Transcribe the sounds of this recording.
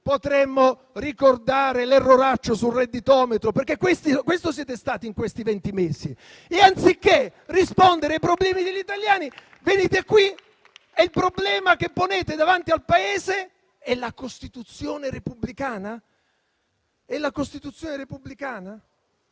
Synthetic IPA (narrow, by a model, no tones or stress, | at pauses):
pot̪ɾemːo | rikord̪aːɾelerːoɾat͡ʃːosulred̪ːit̪ɔːmet̪ɾoperkːekːwest̪ikːwest̪os̬jɛːt̪est̪aːt̪iŋkwest̪ivɛnt̪imeːzi | eant̪sikːerispond̪eɾeajpɾoblɛːmid̪eʎːit̪aljaːni | veniːt̪eakːwi | ɛilpɾoblɛːmakepːoneːt̪ed̪avant̪ialpaeːze | ɛlakost̪it̪ut̪sːjoːneɾepubːlikaːna | ɛlːakost̪it̪ut̪sjoːneɾepublikaːna